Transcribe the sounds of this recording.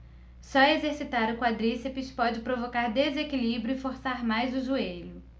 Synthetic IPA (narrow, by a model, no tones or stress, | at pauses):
sɔezeɾsit̪aɾʊkwad̪ɾisepɪʃpɔd͡ʒɪpɾovokaɾd̪ezekilibɾjʊɪfoɾsaɾmajzʊʒueʎʊ